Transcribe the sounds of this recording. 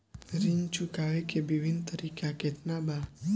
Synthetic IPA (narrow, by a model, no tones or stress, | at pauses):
ɾiɲt͡ʃukawekebiwint̪əɾikʰakɛt̪naba